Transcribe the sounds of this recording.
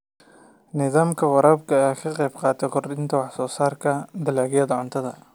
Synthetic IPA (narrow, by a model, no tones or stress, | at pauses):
nɪðaːmkʰɐwɐɾɐbkɐaxʰɐqɛjbqɑːt̪ʰɐkʰʊɾd̪ɪnt̪ʰɐwɑħsɔːsaːɾkʰɐd̪ɐlaːɡjɐd̪ɐʕʊnt̪ʰɐðɐ